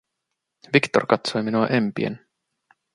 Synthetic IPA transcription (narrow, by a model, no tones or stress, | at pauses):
ʋikt̪o̰rkɑt̪sojminuɑʔempiḛn